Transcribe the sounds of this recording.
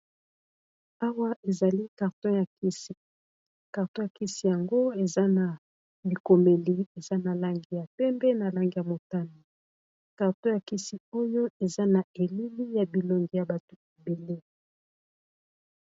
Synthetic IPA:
a˦wa˦ʔe˨za˨li˦ka˨ʁtɔ̃˦ja˨ki˦si˨ | ka˨ʁtɔ̃˦ja˨ki˦si˦ja˨ŋɡo˦e˨za˦na˨ | bi˨ko˨me˨li˦e˨za˦na˨la˦ŋɡi˦ja˨pɛ˦mbɛ˦na˨la˦ŋɡi˨ja˨mo˨ta˦no˨ | ka˨ʁtɔ̃˦ja˨ki˦si˦o˦jo˦e˨za˦na˨e˨li˦li˦ja˨bi˨lo˨ŋɡi˨ja˨ba˨to˨e˨be˨le˦

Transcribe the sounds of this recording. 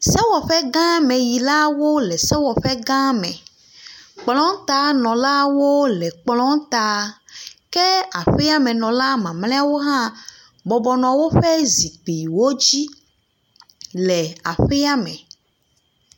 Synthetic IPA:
sɛ˦wɔ˨ɸɛ˦ɡã˦mɛ̃˨ji˨la˦wo˦lɛ˨sɛ˦wɔ˨ɸɛ˦ɡã˦mɛ̰̃˨ | k͡plɔ̃˦ŋ˦t̪a˦nɔ̃˨la˦wo˦lɛ˨k͡plɔ̃˦ŋ˦t̪a˦ | kɛ˦a˨ɸɛ˦a˦mɛ̃˨nɔ̃˨la˦mã˨mlɛ̃˦a˦˨wo˦ɦã˦ | bɔ˨bɔ˨nɔ̃˨wo˦ɸɛ˦zi˨k͡pi˨wo˦d͡ʑi˦ | lɛ˨a˨ɸɛ˦a˦mɛ̰̃˨

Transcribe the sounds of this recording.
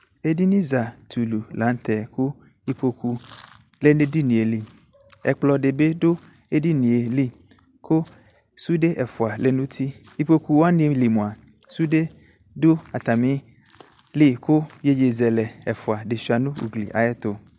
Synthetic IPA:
e˦di˦nĩ˦za˨t̪ʰu˨lu˨lã˨˦n˦t̪ɛ˨kʊ˦i˦po˨ku˨le˦nẽ˦di˦nĩ˨e˨li˨ɛ˨k͡plɔ˨de˨be˦do˦e˦di˦nĩ˨e˨li˦kʰo˦ | su˦de˦ʔɛ˨fʊ˨a˨lɛ˨nũ˦t̪ʰi˦i˨po˨ku˨wa˦nĩ˦e˨li˨mũ˨a˨su˦de˦do˦a˨t̪a˨mĩ˦ | li˦˨kʊ˦je˦d͡ʒe˨zɛ˨lɛ˨ɛ˨fʊ˨a˨de˨ʃi˨a˨nʊ̃˦ṵ˨ɡlḭ˨ʔa̰˨jɛ˦t̪ʊ˨

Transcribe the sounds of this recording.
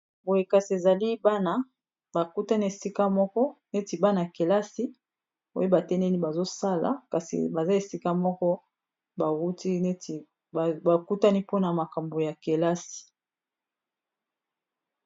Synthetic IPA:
bo˨je˨ka˨si˨e˨za˨li˦ba˦na˦ | ba˨ku˦ta˦ni˦e˨si˦ka˦mɔ˦kɔ˦ne˦ti˨ba˦na˨ke˨la˦si˦ | bo̰˦e˦ba˨tɛ˦nɛ˦ni˦ba˨zo˦sa˦la̰˨ka˨sḭ˨ba˨za˦e˨si˦ka˦mɔ˦kɔ˦ | ba˨u˦ti˦ne˦˨ | ba˨ku˦ta˦ni˦po˦na˨ma˨ka˨mbo˨ja˨ke˨la˦si̥˨

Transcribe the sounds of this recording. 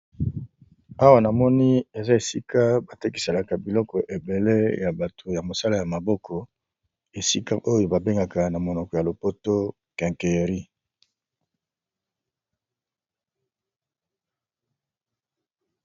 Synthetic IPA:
a˦wa˦na˨mɔ˦ni˦e˨za˦e˨si˦ka˦ba˨te˦ki̥˨se˨la˨ka˨bi˨lɔ˦kɔ˨ʔe˨be˨le˦ja˨ba˨to˨ja˨mo˨sa˦la˦ja˨ma˨bɔ˦kʰɔ˨ | e˨si˦ka˦ʔo˦jo˨ba˨be˦ŋɡa˨ka˨na˨mo˨nɔ˨kɔ˨ja˨lo˨po˦to˦ | kɛ̃˨ŋke˨ʁi˦

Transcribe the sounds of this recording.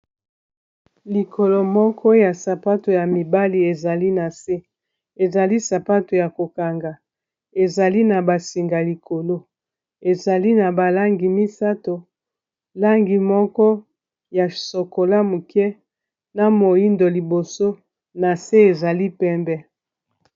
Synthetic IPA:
li˨kʰo˨lo˨mɔ˦kʰɔ˦ja˨sa˨pa˦to˨ja˨mi˨ba˦li˨e˨za˨li˦na˨se˦ | e˨za˨li˦sa˨pa˦to˨ja˨ko˨ka˨ŋɡa˨ | e˨za˨li˦na˨ba˨si˨ŋɡa˨li˨kʰo˨lo˦ | e˨za˨li˦na˨ba˨la˦ŋɡi˨mi˦sa˦to˨ | la˦ŋɡi˨mɔ˦kɔ˦ | ja˨so˨ko˨la˦mu˨kɛ˦ | na˨mo˨ji˦ndo˨li˨bo˨so˦ | na˨se˦e˨za˨li˦pɛ˦mbɛ˦

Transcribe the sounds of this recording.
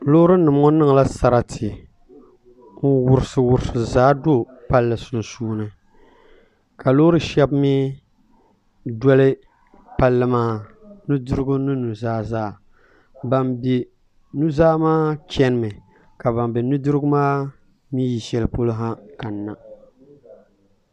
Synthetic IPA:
lo˦ɾɨ˦nɨ˨m˦ŋɔ˦nɨ˦ŋ˨la˦sa˨ɾa˨tʰɪ˨˦ | wʊ˨ɾɨ˨sɨ˨wʊ˨ɾsɨ˨zaː˦do˦˨ | pa˦lːɨ˨sʊ˨n˨suː˦nɨ˨ | ka˨loː˦ɾɨ˦ʃɛ˦bmi˦ | dɔ˦lɨ˦ | pa˦lːɨ˦maː˦ | nu˦dɨ˦ɾɨ˦ɡʊ˦nɨ˦nu˨zaː˦zaː˦˨ | ba˨mbe˨ | nu˦zaː˦maː˦t͡ʃɛ˦nɨ˦˨mɨ˨ | ka˨ba˨mbɛ˨nu˦dɨ˦ɾɨ˦ɡʊ˦maː˦ | miː˦ji˨ʃɛ˨lɨ˨po˦lo˦ɦa˦ka˨nːa˨

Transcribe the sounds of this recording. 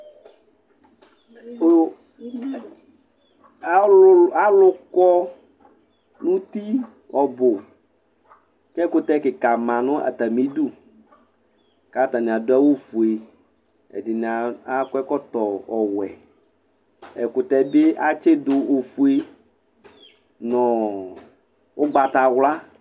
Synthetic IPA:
a˦lʊ˦kɔ˦ | nũ˦t̪i˦ | ɔ˨bʊ˨ | kɛ˦kʊ˦t̪ɛ˦kɪ˨ka˨mã˨nʊ̃˦ʔa̰˨t̪a˨mĩ˦du˦ | ka˦t̪a˨nĩ˨a˨dʊ˦a˦wo˦fu˨e˨ | ḛ˨dɪ˨n˨a˨a˦kɛ˦kɔ˦t̪ɔ˨ɔ˨wɛ̰˨ | ḛ˨kʊ˨t̪ɛ˦be˦ʔa˦t͡ʃe˦d̪ʊ˨o˨fu˨e˦ | nɔ̃˨ | wo˦ɡ͡ba˨t̪a˨wla˦

